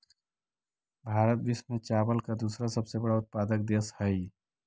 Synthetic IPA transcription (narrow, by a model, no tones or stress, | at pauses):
bʱaːɾət̪̚b̪ismet͡ʃaːbəlkad̪uːsɾasəbsebəɽaʊt̪̚paːd̪ək̚d̪eshəi